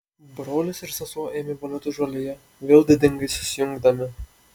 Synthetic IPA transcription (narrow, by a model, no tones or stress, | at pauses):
bɾoːlʲɪsɪɾsɐsoːʔeːmʲɪbolʲɛt̪ʊʒɐlʲɪjɛ | ʋʲeːlˠd̪ʲɪd̪ʲɪŋɡɐɪsʊ̥sʲɪjʊŋɡd̪ɐmʲɪ